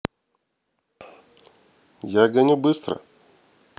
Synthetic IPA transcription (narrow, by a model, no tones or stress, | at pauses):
jaɡɐnʲubɨst̪ɾə̰